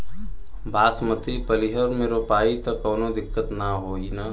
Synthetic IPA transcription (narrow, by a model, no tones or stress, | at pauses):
bʱaːsmət̪ipəliɦəɾmẽɾopaːit̪ɔkɔːnod̪ɪkːət̪naɦoːina